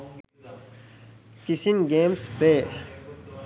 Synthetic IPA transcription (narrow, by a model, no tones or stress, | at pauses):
kisinɡeːmspeː